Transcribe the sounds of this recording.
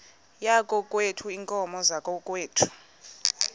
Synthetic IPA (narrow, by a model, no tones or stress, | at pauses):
jakʼɔkʼwetʰuiŋkʼɔmɔzakʼɔkʼweːtʰu̥